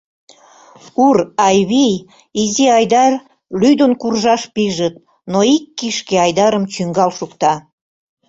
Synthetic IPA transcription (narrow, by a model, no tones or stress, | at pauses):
urɑjβij | iziɑjd̪ɑr | lyd̪onkurʒɑʃpiʒət̪̚ | noikːiʃkeɑjd̪ɑɾəmt͡ɕyŋɡɑlʃukt̪ɑ